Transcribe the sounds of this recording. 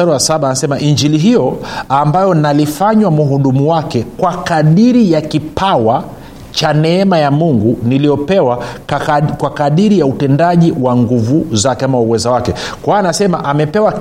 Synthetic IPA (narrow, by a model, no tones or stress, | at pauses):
aɾuwasaɓaːnasɛmaʔiɲd͡ʒiliɦijɔambajɔnalifaɲwamuɦuɗumuwakɛkwakaɗiɾijakipʰawa | t͡ʃanɛɛmajamuŋɡunilijɔpɛwa | kwakaɗiɾijautɛndaʄiwaŋɡuvuzakɛamauwɛzawakɛkwaːnasɛma̰ʔamɛpɛwa